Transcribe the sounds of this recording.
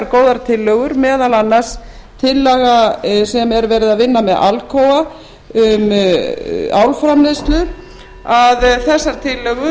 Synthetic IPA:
ɾkoːwðaɾ̥t̪ʰɪlːœɣʏɾmɛːðalanːḁs | t̪ʰɪlːɛɣasɛmɛɾvɛːɾɪðaðvɪnːamɛðʔa̰lkʰoːwa | ʏm | awlfɾamlɪst̪lʏ | aðθɛsːaɾ̥t̪ʰɪlːœɣʏ

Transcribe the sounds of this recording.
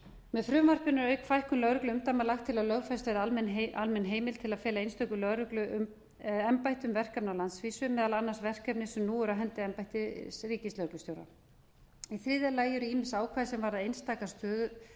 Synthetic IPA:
mɛðfɾʏmvar̥pɪnːʏɾœɥkfajhkʏmlœɣɾʏklʏʏmt̪amalaxt̪ʰːɪlaðlœɣfast̪vɛɾalmɛnalmɛnɦeːjmɪlt̪ʰɪlaðfɛːlaejnst̪œkʏlœɣɾʏklʏm | ɛmpajht̪ʏmvɛr̥kapnawlant̪sviːsʏmɛːðalanːasvɛr̥kapnɪsɛmnuːʏɾaɦɛnt̪ɪɛmpajht̪ɪsriːcɪst̪lœɾklʏst̪jowɾa̰ | iθɾiːðalaːjʏɾʏiːmɪnsaːwkʰvaːðɪsɛmvaɾaðejnst̪aːkast̪œːðʏɾ

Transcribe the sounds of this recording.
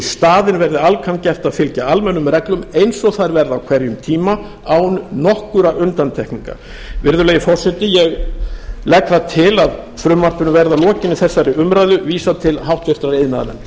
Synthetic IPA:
st̪aːðɪnvɛɾðɪalkʰancɛft̪avfɪlcaalmɛnːʏmrɛklʏmejnsɔɣθaɾvɛɾðawkʰvɛɾjʏmt̪ʰiːma | awnnɔhkʏɾaʔʏnt̪ant̪ʰɛhkniŋka̰ | vɪɾðʏleːjɪfɔr̥sɛt̪ɪjɛɣ | lɛkθat̪ʰɪlað | fɾʏmːar̥p̪ʏnʏmvɛɾðalɔːcɪnːɪθɛsːaɾɪʏmɾajðʏviːsat̪ʰɪlɦawht̪vɛr̥t̪ɾaɾejðɪnaðnɛ̰m

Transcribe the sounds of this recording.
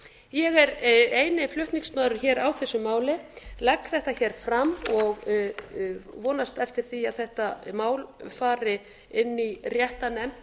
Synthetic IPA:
jɛɣɛɾeːjnɪflʏht̪niŋsmaːðɾʏɾçɛːɾawθɛsːʏmaːwlɪlakθɛht̪açɛːɾ̥fɾamːɔɣ | vɔːnast̪ɛft̪ɪɾ̥θiaðθɛht̪amaːwlfaːɾɪ | ɪnːirjɛht̪anɛm

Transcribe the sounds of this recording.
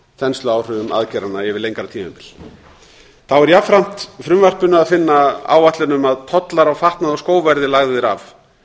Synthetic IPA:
θɛnst̪lʏaːwr̥ʏvʏma̰ðcɛɾanːaɛvɪðlejŋkɾat̪ʰiːma̰pɪl | θawɛɾjafɾam̥t̪fɾʏmvar̥pʏnʏaðfɪnːaa̰ːwat̪lɪnʏmaðt̪ʰɔt̪laɾawfaht̪naðɔskoːwvɛɾðɪlaɣðɪɾav

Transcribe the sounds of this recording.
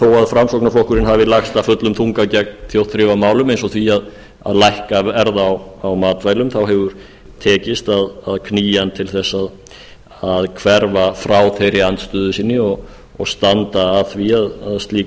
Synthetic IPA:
θowaðfɾamsoknaflohkʏɾɪnhaːvɪlaxst̪afʏt̪lʏmθuŋkacɛk̚nθjowt̪θɾɪːvamaːwlʏmejnsɔθviað | a̰ðlajhkaɛɾðaːwawmaːt̪vajlʏmθawɦɛvʏɾ̥ | t̪ʰɛːcɪst̪aðaðkʰniːjant̪ʰɪlθɛsːað | aðkʰvɛɾvafɾaːwθejɾɪant̪st̪ʏːðʏsinːɪɔɣ | ɔɣst̪ant̪aːðθviaðaðst̪liː

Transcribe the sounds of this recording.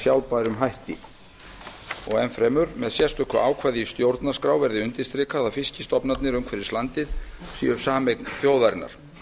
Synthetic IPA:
sjawlpaːɾʏmɦajht̪ɪ̰ | ɔɣɛnfɾɛːmʏɾmɛðsjɛ̥st̪ʏhkʰva̰aːwkʰvaːðiːst̪jowɾt̪nḁskɾaːwvɛɾðɪʏnt̪ɪst̪ɾɪkʰaðawfɪscɪst̪ɔpnat̪nɪɾʏmkʰvɛːɾɪst̪ant̪ɪðsḭːjʏ̥saːmɛknθjoːwðaɾɪnːa̰ɾ̥

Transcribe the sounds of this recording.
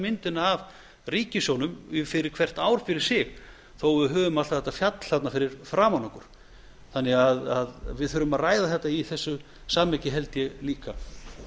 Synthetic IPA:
mɪnt̪ɪnaːv | riːcɪsjɔwnʏmfɪɾɪɾ̥kʰv̥ɛr̥t̪aːwɾ̥fɪɾɪɾ̥sɪɣ | θowvʏðɦœːvʏmalt̪aθɛ̥t̪afjat̪l̥hat̪nafɪɾɪɾ̥fɾaːmanakʏɾ̥ | θanːɛɣaðaðvɪðfʏɾʏmaðraːjðaθɛht̪ːaiθɛsːʏ | saːmɛcɪɦɛlt̪jɛliːka

